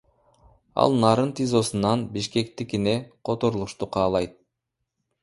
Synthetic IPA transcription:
ɑ̰lˠnɑːɾɯnt̪izo̞sunɑnbiʃke̞kt̪ikineqʰo̞t̪o̞ɾulˠuʃt̪uqʰɑːlˠɑjt̪̚

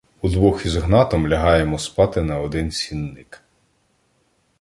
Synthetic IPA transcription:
ud̪ʋɔxizɦnɑt̪ɔmlʲɐɦɑjemɔspɑt̪ɪnɐɔd̪ɪnsʲinːɪk

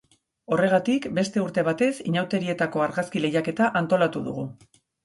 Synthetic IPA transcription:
o̞re̞ɣ̞at̪ikbe̞st̪e̞uɾt̪e̞β̞at̪e̞sḭɲawt̪e̞ɾie̞t̪ako̞aɾɣaskile̞jake̞t̪aʔant̪o̞lat̪uðṵɣ̞u

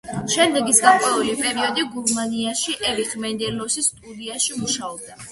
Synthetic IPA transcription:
ʃɛmd̪ɛɡisɡaqʼwɛulipʼɛɾiɔd̪iɡuɾmaniaʃiʔɛviχmɛnd̪ɛlɔsist̪ʼud̪iaʃimuʃaɔb̚d̪a

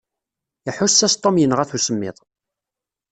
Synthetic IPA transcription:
iħʊsːæst̪ˤːomjənːəʁæθusəmːɪ̰ðˤ

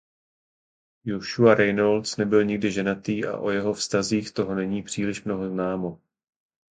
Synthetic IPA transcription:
joʃuaɾɛjnolt͡snɛbɪlɲɪɡ̚dɪʒɛnat̪iːʔa̰ʔojɛɦo̞fst̪aziːxt̪o̞ɦo̞nɛɲiːpr̝̥iːlɪʃmno̞ɦo̞znaːmo̞

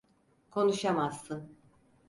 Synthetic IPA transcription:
kʰo̞nuʃamazːɯn

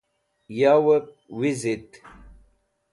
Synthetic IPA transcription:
jawəp̚wizit̪

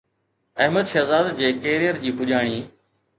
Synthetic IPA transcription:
ɐɦməd̪ʃɐzaːd̪d͡ʑeːkeːɾijəɾd͡ʑiːpʊʄaːɽ̃iː

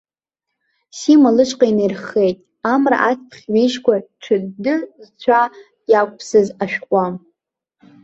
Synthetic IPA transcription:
simalɨʂʼqʼajnejrχejtʼ | amra̰ʔatʰpʰχʲɥejʃkʷʰaʈ͡ʂʷʰɨdɨzt͡ɕʷʰa | jakʷʼpʰsɨzaʃᶣqʷʼam

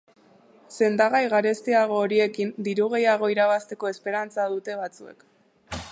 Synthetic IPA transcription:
se̞nd̪aɣajɣaɾe̞st̪iaɣ̞o̞ːɾie̞kind̪iɾuɣ̞e̞jaɣ̞o̞iɾaβast̪e̞ko̞espe̞ɾant͡sað̞ut̪e̞β̞at͡sue̞k

